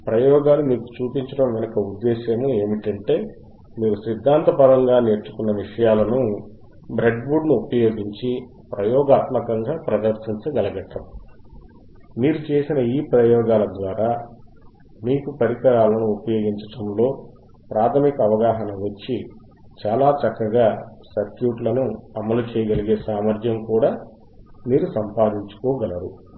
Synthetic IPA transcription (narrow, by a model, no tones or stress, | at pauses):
pɾɐjɔːɡaːlumiːku̥t͡ʃuːpiɲt͡ʃɐɽɐmʋinɐkɐud̪ːɛːʃɐmue̞ːmiʈɐɳʈe̞ː | miːɾusid̪ʱːaːnt̪ɐpɐɾɐŋɡaːne̞ːɾt͡ʃːu̥kunːɐʋiʂɐjaːlɐnu | bɾe̞ɖbuɾɖnuupɐjo̞ːɡiɲt͡ʃi | pɾɐjɔːɡaːt̪mɐkɐŋɡaːpɾɐd̪ɐɾsiɲt͡ʃɐɡɐlɐɡɐʈːɐmu | miːɾut͡ʃe̞ːsinɐiːpɾɐjɔːɡaːlɐd̪ʋaːɾaː | miːkupɐɾikɐɾaːlɐnuːpɐjo̞ːɡiɲt͡ʃɐ̥ʈɐmlo̞ː | pɾaːt̪ʰɐmikɐɐʋɐɡaːɦɐnɐʋɐt͡ʃːi | t͡ʃaːlaːt͡ʃɐkːɐɡaːsɐɾkjuːʈlɐnuɐmɐlut͡ʃɛːjɐɡɐliɡe̞ːsaːmɐɾd̪ʱjɐmkuːɽaː | niːɾusɐmpaːd̪iɲt͡ʃu̥kɔːɡɐlɐɾu